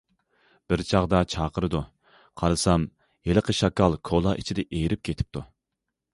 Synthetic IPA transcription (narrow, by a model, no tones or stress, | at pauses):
b̥ɪɾt͡ʃʰɑʁd̪ɑt͡ʃʰɑːqəɾɨd̪u | qʰɑɾɨsɑm | jeləqʰəʃɑkɑlˠkʰolˠɑʔit͡ʃʰid̪ɛʔejɾɪp̚kʲʰet̪ʰɪ̥p̚t̪ʰu